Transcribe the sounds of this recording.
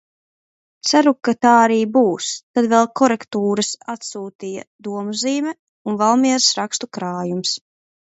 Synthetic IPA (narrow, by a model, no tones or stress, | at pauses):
t̪saɾukat̪aːaɾiːbuːst̪ad̪vɛlˠkʰɔɾɛkt̪uːɾasat̪suːt̪iːja̰d̪uɔmuziːmʲɛ | unvalˠmiɛɾsɾakst̪ukɾaːjums